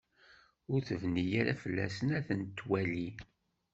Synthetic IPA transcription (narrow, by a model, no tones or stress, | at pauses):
ʊɾθəvnijaɾa̰fəlːæ̰sənæθənt̪ːwæli